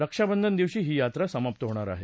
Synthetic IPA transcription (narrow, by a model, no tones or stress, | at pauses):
ɾəkʂabənd̪ʱənd̪iʋɕiːɦiːjat̪ɾasəmap̚t̪əɦoɽ̃aɾa̰ɦe